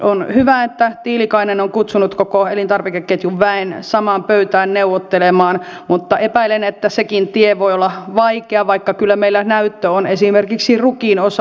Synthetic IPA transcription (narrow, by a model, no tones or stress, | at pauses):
ʔonhyʋæet̪ːæt̪iːlikɑinenoŋkut̪sunut̪kokoelint̪ɑrʋekekːet̪juʋʋæensɑmɑːmpøyt̪æːnneuʋot̪ːelemɑːnmut̪ːɑepæilenet̪ːæsekint̪ieʋoiolːɑʋɑikeɑʋɑikːɑkylːæmeilːænæyt̪ːøonesimerkiksirukinos